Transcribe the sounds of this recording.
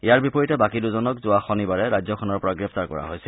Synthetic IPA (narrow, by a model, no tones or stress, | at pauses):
ijaɹbipɔɹitɛbakiduzɔnɔkzʊaxɔnibaɹɛɹajzɔkʰɔnɔɹpɔɹaɡɹɛp̚ʰtaɹkɔ̰ɹa̰ɦojsɛl